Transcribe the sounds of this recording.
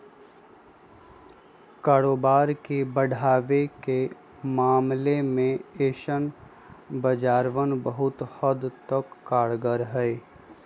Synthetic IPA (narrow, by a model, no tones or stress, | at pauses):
kaːɾoːbaːɾkebəɽʱaːʋeke | maːmlemẽeːʃən | bəd͡ʒaːɾʋənbəɦʊt̪həd̪t̪əkːaːɽɡəɾɦɛe